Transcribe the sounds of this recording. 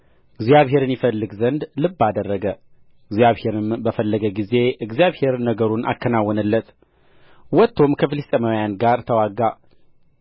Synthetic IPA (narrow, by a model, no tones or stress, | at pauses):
ɨɡzjaβɦe̞ɾɨnjɪfəlːɨɡzənd̪lɨbːad̪ərːəɡə | ɨɡzjaβhe̞ɾɨmbəfəlːəɡəɡize̞ʔɨɡzijaβhe̞ɾnəɡəɾuna̰kʰːənawːɔnəlːət̪ | wɔt̪ʰːo̞mkʰəfɨlist̪ʼeməwjanɡaɾt̪ʰəwaɡa